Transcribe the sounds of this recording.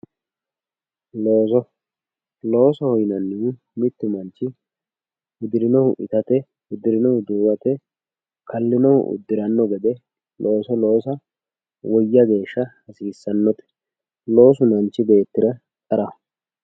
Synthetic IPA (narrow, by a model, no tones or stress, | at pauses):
lo̞ːsɔ | lo̞ːsɔhɔjnɐnːɪ | mɪt̪ːɪmɐnt͡ʃːɪ | wɪd̪ɪɾɪnɔhʊʔɪt̪ɐt̪ɛ | wɪd̪ɪɾɪnɔhʊd̪uːwɐt̪ɛ | kʰɐlːɪnɔhʊ̰ʔʊ̰d̪ːɪɾɐnːɔɡɛd̪ɛ | lo̞ːsɔlo̞ːsɐ | wɔjːɐɡe̞ːʃːɐhɐsiːsːɐnːɔt̪ɛ̥ | lo̞ːs̬ʊmɐnt͡ʃːɪbe̞ːt̪ːɪɾɐ | t̪ʼɐɾɐ